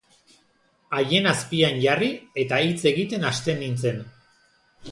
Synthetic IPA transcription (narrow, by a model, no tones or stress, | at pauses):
aje̞naspianʝarie̞t̪ait͡se̞ɣit̪e̞nast̪e̞nint͡se̞n